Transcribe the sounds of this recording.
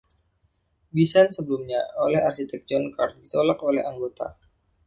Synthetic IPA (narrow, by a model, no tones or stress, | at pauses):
bisansəbəlumɲaolɛharsit̪ɛk̚d͡ʒɔnkart̪̚dit̪olakolɛ̰haŋɡot̪a̰